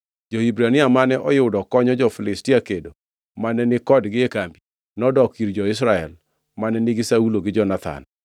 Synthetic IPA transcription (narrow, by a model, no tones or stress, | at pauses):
d͡ʒɔhibɾanɪamanɛʔɔjɪwʊdɔkɔɲɔd͡ʒɔfɪlɪstɪakedo | manɛnɪkɔdɡɪekambi | nɔdɔkiɾd͡ʒɔɪs̬ɾaɛl | manɛnɪɡɪsauloɡɪd͡ʒɔnat̪ʰa̰n